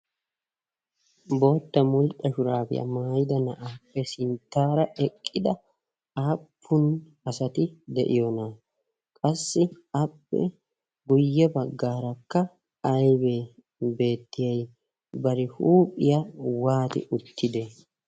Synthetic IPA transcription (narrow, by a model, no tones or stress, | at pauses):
bo̞ːt̪ːɐmʊlt̪ʼːɐʃʊɾaːbɪ̰jɐ̰maːjɪd̪ɐnɐʔaːpːɛsɪnt̪ːaːɾɐʔɛkʼːɪd̪ɐ | aːpʰːʊn | ɐsɐt̪ɪd̪ɛ̰ʔɪjonɐ | kʼɐsːɪ | ɐpːɛ̰ | ɡʊjːɛbɐɡːaːɾɐkːɐː | jbe | be̞ːt̪ːɪjɐj | bɐɾɪhuːpʼːɪjɐwaːt̪ɪ̰ʔʊt̪ʰːɪd̪e